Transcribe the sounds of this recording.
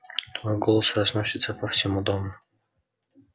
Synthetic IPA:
t̪vojɡolˠəsrɐznosʲɪt̪səpəfsʲɪmud̪omʊ

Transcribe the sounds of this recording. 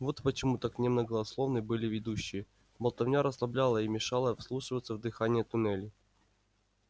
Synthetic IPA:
vo̞t̪pət͡ɕɪmut̪aknʲɛmnəɡəɐslˠovnɨbɨlʲɪvʲɪd̪uɕːɪjə | bəlˠt̪ɐvnʲaɾəslˠɐblʲalˠəimʲɪʂalˠəfslˠuʂɨvət̪səvd̪ɨxanʲɪjət̪ʊnɛlʲɪ

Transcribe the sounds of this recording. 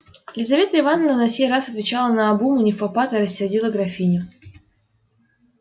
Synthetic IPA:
lʲɪzɐvʲe̞t̪əɪvanəvnənɐsʲejɾasɐt̪vʲɪt͡ɕalˠənɐːbumɨnʲɪfɐpat̪ɪɾəsʲːɪrdʲilˠəɡɾɐfʲinʲʊ

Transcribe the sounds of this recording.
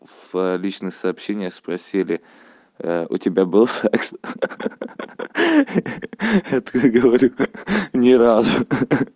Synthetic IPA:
v̥lʲit͡ɕnɨxsɐːpɕenʲɪjəxspɾɐsʲilʲɪ | ʊ̰tʲɪbʲabɨlˠsɛks | jat̪ɡəvɐɾʲunʲɪɾazʊ

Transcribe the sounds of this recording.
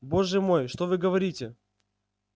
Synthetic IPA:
bo̞ʐɨmo̞jʂt̪ovɨɡəvɐɾʲitʲɪ

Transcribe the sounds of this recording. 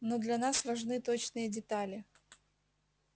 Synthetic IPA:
nod̪lʲɐnasvɐʐnɨt̪ot͡ɕnɨjədʲɪt̪alʲɪ

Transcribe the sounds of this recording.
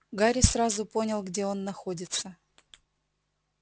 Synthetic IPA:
ɡaɾʲɪsrazʊpo̞nʲɪlˠɡdʲe̞o̞nːɐxo̞dʲɪt̪sə

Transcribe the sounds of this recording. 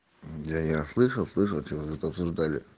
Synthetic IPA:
d̪ajaslˠɨʂəlˠslˠɨʂəlˠt͡ɕɪvot̪uɛt̪əɐpsʊʐd̪alʲɪ̰

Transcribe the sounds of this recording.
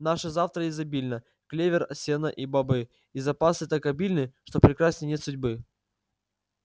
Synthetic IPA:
naʂɨzaft̪ɾəɪzɐbʲilʲnə | klʲevʲɪrɐsʲenəʔibɐbɨ | ɪzɐpasɨt̪akɐbʲilʲnɨʂt̪opɾʲɪkɾasʲnʲənʲet̪sʊdʲbɨ

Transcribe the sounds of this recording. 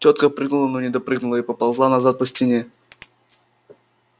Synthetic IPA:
tʲot̪̚kəpɾʲɨɡnulˠənonʲɪd̪ɐpɾɨɡnʊlˠəipəpalˠzlˠanazat̪̚pəsʲtʲɪnʲe

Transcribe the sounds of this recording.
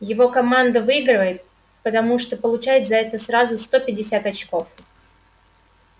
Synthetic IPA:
jɪvo̞kɐmand̪əvɨiɡɾɨvəjɪt̪̚ | pət̪ɐmuʂt̪opəlˠʊt͡ɕæjɪt̪zɐɛt̪əsɾazʊst̪o̞pʲɪdʲːɪsʲat̪ɐt͡ɕko̞f

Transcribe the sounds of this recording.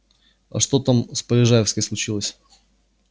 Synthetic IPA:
ɐ̰ʂt̪o̞t̪amspəɾʲɪʐajɪfskəjslˠʊt͡ɕilˠəsʲ

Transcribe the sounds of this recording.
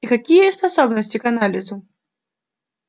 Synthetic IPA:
ikakʲijɐispasɔbnɐsʲt͡sʲikanalʲizʊ

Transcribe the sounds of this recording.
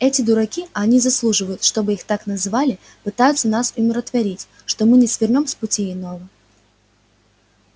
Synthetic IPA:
ɛtʲɪd̪ʊɾɐkʲiɐnʲizɐslˠuʐɨvəjʊt̪ʂt̪o̞bɨixt̪aknɐzɨvalʲɪ | pɨt̪ajʊt̪sənasʊmʲɪɾət̪vɐɾʲitʲ | ʂt̪omɨnʲɪsvʲɪrnʲo̞mspʊtʲiɪnovə

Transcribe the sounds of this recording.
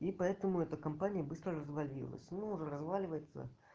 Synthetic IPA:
ipɐɛt̪əmʊɛt̪əkɐmpanʲɪjəbɨst̪ɾərəzvɐlʲḭlˠə̰sʲnuːʐɛɾɐzvalʲɪvəjɪt̪sə̰

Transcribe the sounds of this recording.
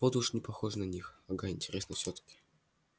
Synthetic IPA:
pod̪ʊʂnʲɪpɐxoʐnɐnʲixɐɡaɪnʲtʲɪɾʲesnəfsʲot̪ə̥kʲɪ̥

